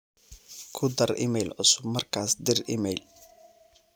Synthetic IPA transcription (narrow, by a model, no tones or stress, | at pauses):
kʰʊd̪ɐrɪ̰mɛjlʕʊ̰sʊbmɐrkʰaːsd̪ɪrɪ̰mɛjl